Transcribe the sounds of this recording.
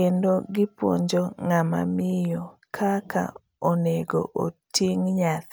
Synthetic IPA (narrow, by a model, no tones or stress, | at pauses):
endoɡɪpwo̰ɲd͡ʒoŋama̰mɪjokʰakʰa̰ | oneɡo̰ʔotʰiŋɲat̪